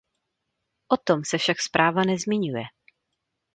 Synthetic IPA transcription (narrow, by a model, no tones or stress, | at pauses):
ʔot̪o̞msɛfʃakspɾʔaːvanɛzmɪɲujɛ